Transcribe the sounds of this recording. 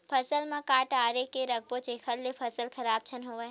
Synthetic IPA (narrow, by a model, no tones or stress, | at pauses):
pʰɐsəlmãkaːʈaːɾekeɾɐk̚ʰbõt͡ʃeːkʰəlːepʰɐsəlkʰɐɾaːb̚t͡ʃʰənɦoːʋə